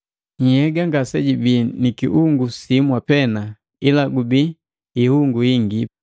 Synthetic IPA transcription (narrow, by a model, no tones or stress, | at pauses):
ɲ̩hɛɡaŋɡasɛɟibinikiʔuŋɡusimwapɛna | ilaɡubi | ihuŋɡuiŋɡi